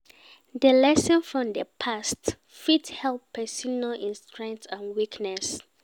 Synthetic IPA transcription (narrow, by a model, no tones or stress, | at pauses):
dəlɛsɔ̃nfɹɔ̃md̪əpʰast | fithɛlˠpʰːɛsɔnalʔĩnstʰɹɛ̃ŋkθãnwiknɛs